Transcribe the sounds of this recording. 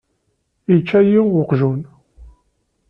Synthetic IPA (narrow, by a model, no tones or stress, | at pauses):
it͡ʃːæjiʊqʒun